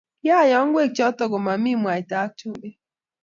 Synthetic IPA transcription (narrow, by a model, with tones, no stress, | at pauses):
ja˦˨jɔ˨˦ŋ̩˦ɡʷe˦˨t͡ʃɔ˦tɔ˨ɡʊ˨ma˨m˦i˦˨mu˨a˨ɪ˨ta˨a˦tu˦be˦